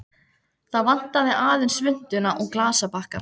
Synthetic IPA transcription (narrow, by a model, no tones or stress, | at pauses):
θaðvan̥t̪avɪðaːðʏnsvʏn̥t̪ʏnaʔɔɣklaːsapahka